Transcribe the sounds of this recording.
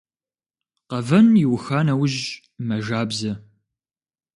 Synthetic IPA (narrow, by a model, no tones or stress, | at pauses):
qɐvɐnjɪwʊxaːnɐwʊʒ | mɐʒaːbzɐ